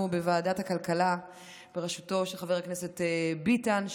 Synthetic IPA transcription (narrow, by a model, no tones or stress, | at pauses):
ubevaːdathakalkala | b̥eʁeʃu̥to̞ʃeχaveaknese̞tebitan